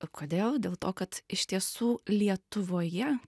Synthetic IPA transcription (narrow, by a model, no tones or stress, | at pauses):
kʰoːd̪ʲeːlˠdʲeːlˠt̪oːkɐt̪ɪʃʲt̪ʲiɛsuːlʲiɛt̪ʊʋoːjɛ